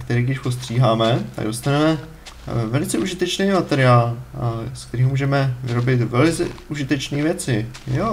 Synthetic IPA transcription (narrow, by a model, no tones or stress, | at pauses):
kt̪ɛɾiːɡdɪʃpo̞st̪r̝̥iːɦaːmɛt̪a̰ɡdost̪anɛmɛ | vɛlɪt͡sɛʔuʒɪt̪ɛt͡ʃnejmat̪ɛɾɪaːlsk̚t̪ɛɾiːɦmuːʒɛmɛvɪɾo̞bɪt̪vɛlɪt͡sɛ̰uʒɪt̪ɛt͡ʃniːvjɛt͡sɪjo